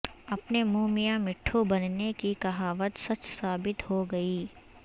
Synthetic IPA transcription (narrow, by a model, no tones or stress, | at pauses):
ɐpnemuːmijãmɪʈʰːubɐnnekikɐɦaːʋət̪sɐt͡ʃsaːbɪt̪ɦoɡɐiː